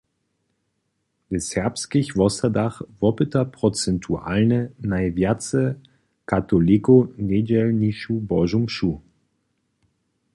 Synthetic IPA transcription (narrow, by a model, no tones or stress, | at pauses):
bɪshɛɐpskɪçvɔsɐdaχvɔpətɐpʁ̥ot͡sɛntʰua̰lnənaɪvjat͡sə | katolikonedɛlniʃubɔʒumʃu